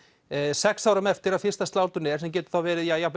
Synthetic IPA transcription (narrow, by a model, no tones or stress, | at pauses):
sɛksaːwɾamɛft̪ɪɾaðfɪrst̪ast̪aːwt̪ʏnɛ̥sɛmc̬ɛːt̪ʏ̥θawvɛːɾɪðjajap